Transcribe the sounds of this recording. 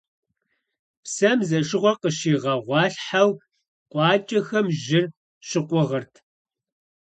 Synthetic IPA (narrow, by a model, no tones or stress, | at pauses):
psɐmzɐʂɨʁʷɔqəʃiːʁɐʁʷɑːɬħaw | qʷʼɑːt͡ʃʼɐxɐmʒɪr | ɕɪqʷʊʁɐrtʰ